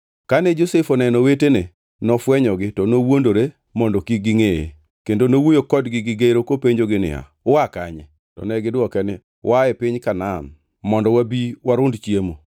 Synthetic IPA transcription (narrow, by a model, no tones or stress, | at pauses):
kanɛd͡ʒosefɔnɛnɔwetene | nɔfwɛɲɔɡɪtɔnowondoɾe | mɔndɔkiɡɪŋejḛ | kendonowojokɔdɡɪɡɪɡeɾokopeɲd͡ʒoɡɪnɪ̰a̰ | ʊwakaɲɛ | tɔ̰nɛɡɪdwɔkɛnɪ | waɛpɪɲkanan | mɔndɔwabiwaɾʊndt͡ʃjemo